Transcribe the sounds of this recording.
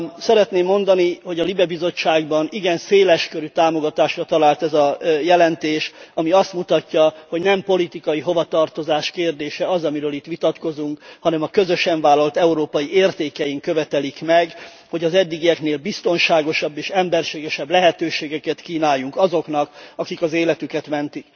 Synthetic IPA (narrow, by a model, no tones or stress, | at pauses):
sɛɾɛt̪neːmːo̞nd̪ɒniho̞ɟɒlibɛbizo̞t͡ʃːaːɡbɒniɡɛnseːlɛʃkøɾyt̪aːmo̞ɡɒt̪aːʃrɒt̪ɒlaːlt̪ɛzɒjɛlɛnt̪eːʃɒmiɒst̪mut̪ɒcːɒho̞ɟnɛmpo̞lit̪ikɒjiɦo̞vɒt̪ɒrt̪o̞zaːʃkeːrd̪eːʃɛɒzɒmiɾøːlit̪ʋit̪ɒt̪ko̞zuŋkhɒnɛmɒkø̞zø̞ʃɛɱvaːlːolt̪ɛuɾoːpɒjieːrt̪eːkɛjiŋkøvɛt̪ɛlikmɛɡ | ho̞ɟɒzɛd̪ːiɡiɛkneːlbist̪o̞nʃaːɡo̞ʃɒbːeːʃɛmbɛrʃeːɡɛʃɛblɛɦɛt̪øːʃeːɡɛkɛt̪kiːnaːjːuŋkɒzo̞knɒkɒkikɒzeːlɛt̪ykɛt̪mɛnt̪ik